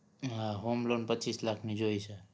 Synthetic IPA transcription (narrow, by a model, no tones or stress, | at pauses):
ɦãɦomlonpət͡ʃislakʰnid͡ʒojsʰə